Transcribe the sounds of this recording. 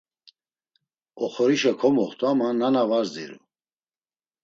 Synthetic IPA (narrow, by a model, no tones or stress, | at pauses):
ɔχɔɾiʃɛkʰɔmɔχt̪ʰʼuamannːanavazd̪ḭɾṵ